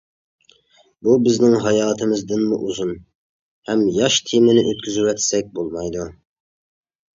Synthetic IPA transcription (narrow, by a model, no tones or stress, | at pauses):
bubɪznɪŋɦɑjɑːt̪ʰɨmɨzd̪ɪnmṵʔuzun | hɛmjɑʃt̪ʰimɪnɪʔøt̪̚kʲʰyzywɛt̪sɛk̚ʲbolˠmɑjd̪u